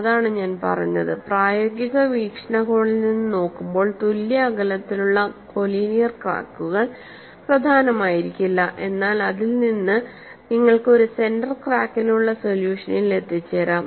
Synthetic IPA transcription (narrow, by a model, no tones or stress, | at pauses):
ɐðaːɳɨɲaːnpɐ̰rɐ̰jːɐ̰ðɨpraːjoːɡiɣɐʋiːkʂɐɳɐɣo̞ːɳilninːɨno̞ːkːumbo̞ːɭt̪uljɐːɣɐlɐt̪ːiluɭːɐko̞liːnijɐrkra̰ːkːuɣɐɭ | prɐd̪ʱaːnɐmaːjiɾikʲːilːɐʔe̞nːaːlɐðilninːɨ | niŋːɐɭkɨo̞ɾuse̞ndɐrkraːkːinuɭːɐso̞ljuːʂɐnile̞t̪ːit͡ɕːeɾaːm